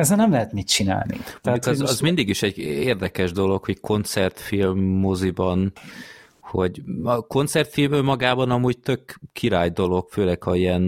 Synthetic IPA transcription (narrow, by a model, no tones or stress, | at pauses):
ɛzɛnɛmlɛɦɛt̪mit̪t͡ʃina̰ːlnḭmkɒzɒzmind̪iɡiʃɛɟeːrd̪ɛkɛʒd̪o̞lo̞kho̞ckʰo̞nt̪sɛrt̪filmːozibɒn | ho̞̰ɟɒko̞nt̪sɛrt̪filmømɒɡaːbɒnɒmuːɟ̚t̪økːiɾaːjd̪o̞lo̞kføːlɛkɒiɛn